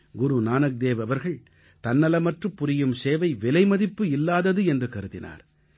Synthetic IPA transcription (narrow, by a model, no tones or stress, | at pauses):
ɡʊɾunaːnɐk̚d̪eːʋɐʋɐɾɣɐɭ | t̪ɐnːɐlɐmɐʈrɯpːʊɾɪjɯmseːʋɐɪʋɪlɐɪmɐðɪpːɯɪlːaːðɐðɯɛndrɯkɐɾɯðɪna̰ːɾ